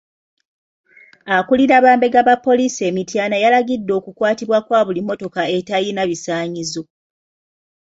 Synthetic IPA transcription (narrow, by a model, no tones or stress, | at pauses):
akuliɾaβaːmbe̞ɡaβapːo̞liːsie̞mitjaːnajalaɡidːo̞ːkukwaːtiβwakwaːβulimːo̞to̞kae̞tajinaβisaːɲizo